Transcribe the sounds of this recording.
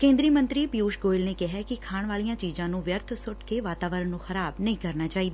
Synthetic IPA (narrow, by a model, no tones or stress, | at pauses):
kẽːnd̪ɾiːmə̃nt̪ɾiːpijuːʃɡoːɪlneːkɪɦɛːkɪkʰaːɳʋaːlijãːt͡ʃiːzãːnũːʋjəɾt̪ʰsʊʈkeːʋaːt̪aːʋəɾənːũːxəɾaːbnəĩːkəɾnaːt͡ʃaːiːd̪aː